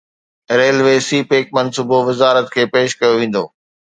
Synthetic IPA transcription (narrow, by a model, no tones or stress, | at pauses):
ɾeːlʋeːsiːpeːk̚mɐnsuːboʋɪzaːɾət̪kʰeːpeːʃkɐjoʋẽːn̆d̪o̰ː